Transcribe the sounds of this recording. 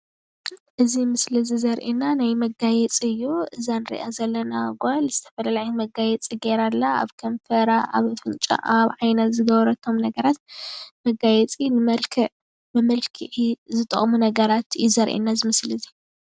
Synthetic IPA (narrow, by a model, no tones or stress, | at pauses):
ʔɨzimɨslɨzizɐɾʔinanajmɐɡajɛt͡sʼiɨjːuɨzanɨɾḭʔazɐlːɐnaɡolz̥ɨt̪ʰɐ̥fɐlalajmɐɡajɛt͡sʼiɡeɾalːaa̰βkʰɐmfɐɾaʔa̰βfɨnt͡ʃʼa̰ʔaβʕajnɐt̪zɨɡɐβɾɐt̪ʰo̞mnɐɡɐɾat̪̚mɐɡajɛt͡sʼinɨmɐlkʰɨʕ | bɨmɐlkʰɨʔizɨt̪ʼɨχʼmunɐɡɐɾat̪ʰɨjuzɐɾʔḭnazɨmɨslɨzi